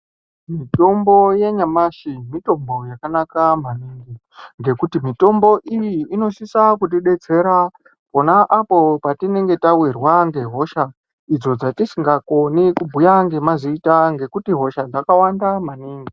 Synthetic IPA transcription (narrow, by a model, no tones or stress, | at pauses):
mito̞mbo̞je̞ɲamaʃimito̞mbo̞jakanakamaniːŋɡi | ŋɡe̞kutimito̞mbo̞ʔijiːno̞ʃisakut̬iɗe̞t͡se̞ɾa | po̞naʔapo̞patine̞ŋɡe̞tawirwaŋɡe̞ɦo̞ʃa | id͡zo̞d͡zatisiŋɡako̞nikubʱujaŋɡe̞maziitaŋɡe̞kutiɦo̞ʃad͡zakawandamaniːŋɡi